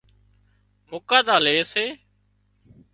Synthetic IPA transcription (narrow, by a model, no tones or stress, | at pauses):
moːkaːd̪aːleːseː